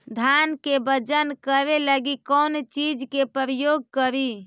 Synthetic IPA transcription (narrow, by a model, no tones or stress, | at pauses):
d̪ʱankebəd͡ʒənkəɾeləɡikɔnt͡ʃid͡ʒkepɾəjoɡkəɾi